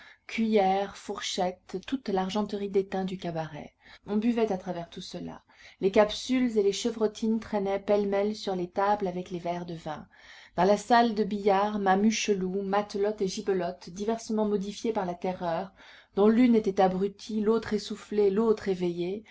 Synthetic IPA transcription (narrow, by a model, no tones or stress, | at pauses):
kʲɥijɛʁfuʁʃɛt̪ːut̪laʁʒɑ̃t̪əʁid̪et̪ɛ̃d̪ykabaʁɛ̰ɔ̃byvɛt̪at̪χavɛʁt̪usəla̰ | lekapsylzeleʃəvʁɔt̪ʰint̪χɛnɛpɛlmɛlsyʁlet̪ablavɛklevɛʁd̪əvɛ̃ | d̪̥ɑ̃lasald̪əbijaʁmamyʃəlumat̪lɔt̪eʒibəlɔt̪d̪ivɛʁsəmɑ̃mɔd̪ifjepaʁlat̪ɛʁœʁ | d̪ɔ̃lynet̪ɛt̪abʁyt̪ʰilot̪χesuflelot̪χevɛje